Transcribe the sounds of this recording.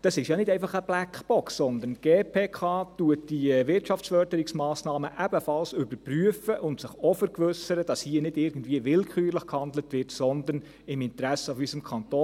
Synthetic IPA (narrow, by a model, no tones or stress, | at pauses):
d̥ɑsɪʃjɑnɪdɛɪfɑχəb̥lækb̥ɔksːɔnd̪ənɡ̥eːpʰeːkʰɑːtuət̚d̥iʋɪɾtʃɑfsfœɾd̥əɾɪksmɑːsnɑːməʔæb̥əfɑlsʏbəɾpryəfəʔʊntsɪχɔfəɾkʋʏsəɾəd̥ɑshiːənɪdɪɾɡən̩dviəʋɪlkʰχyːɾləχkhɑndlətʋɪɾtsɔnd̪ən | ɪmɪntɾæsəʊfysəmkʰɑntoː